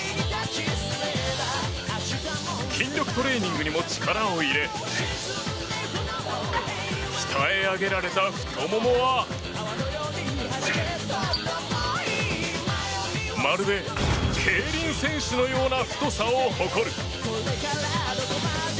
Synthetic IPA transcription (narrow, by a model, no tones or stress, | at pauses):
kʲʰĩnɾʲo̞kɯ̟̥t̪o̞ɾe̞ːɲ̟ĩŋɡɯ̟ɲ̟imo̞t͡ɕi̥kaɾãoiɾe̞ | çi̥t̪ʰaeaɡe̞ɾaɾe̞t̪aɸɯ̥omomoβa | maɾɯ̟be̞kʰeːɾʲĩɰ̃sẽ̞ɰ̃ɕɨno̞jo̞ːnaɸɯ̥t̪o̞saoho̞ko̞ɾɯ̟